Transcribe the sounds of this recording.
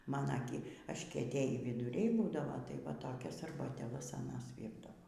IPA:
ˈmɑːnɐ ɡʲɪ ɐʃʲkʲiɛˈtʲeːjiː ʋʲɪdʊˈrʲɛɪ ˈbuːdɐʋoː tɐɪ ʋɐ ˈtoːkʲɛs ɐrbɐtʲeːˈlˠɐs ɐˈnɐs ˈʋʲiːrdɐʋoː

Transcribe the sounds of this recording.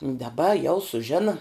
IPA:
dɐˈbɐ jɛʊ sʊˈʒʲɪnɐ

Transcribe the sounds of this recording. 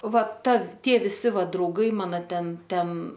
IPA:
ˈʋɐ ˈtɐ ˈtʲiɛ ʋʲɪˈsʲɪ ˈʋɐ drɐʊˈɡɐɪ ˈmɑːnoː ˈtʲɛn ˈtʲɛn

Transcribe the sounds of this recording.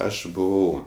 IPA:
ˈɐʃ bʊˈʋɐʊ

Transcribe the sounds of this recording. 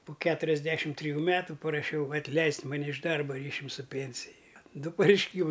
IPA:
pʊ ˈkʲæːtʊrʲɛzʲˌdʲæːʃʲɪm tʲrʲɪˈjuː ˈmʲæːtʊ pɐrɐˈʃʲɛʊ ɐtʲˈlʲɛɪsʲtʲ mɐˈnʲɛ ɪʃ ˈdɐrbɐ ˈrʲiːʃʲʊm sʊ ˈpʲeːnʲsʲɪj ˈdʊ pɐrʲɛɪʃʲˈkʲiːmɐɪ

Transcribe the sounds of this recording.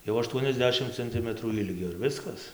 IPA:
jɛʊ ɐˈʃtuɔnʲɛzʲˌdʲæːʃʲɪm t͡sɐnʲˈtʲɪmətruː ˈɪlʲɡʲoː ɪr ˈʋʲɪskɐs

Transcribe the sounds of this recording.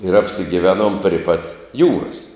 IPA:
ɪr ɐpʲsʲɪɡʲɪˈʋʲæːnuɔm pʲrʲɪ pɐt ˈjuːrɐs

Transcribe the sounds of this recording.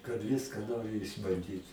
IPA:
kɐt ˈʋʲɪskɐ ˈnoːrʲɪ ɪʒbɐnʲˈdʲiːt

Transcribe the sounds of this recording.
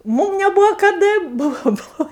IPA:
ˈmuːm nʲɛˈbʊʋoː kɐˈdɐ ˈbʊʋoː ˈbʊʋoː

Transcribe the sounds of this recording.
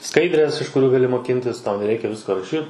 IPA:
ˈskɐɪdʲrʲeːs ɪʃ kʊˈrʲuː ɡɐˈlʲɪ moːˈkʲɪnʲtʲɪs ˈtɐʊ nʲɛˈrʲɛɪkʲɛ ˈʋʲɪskoː rɐˈʃʲiːt

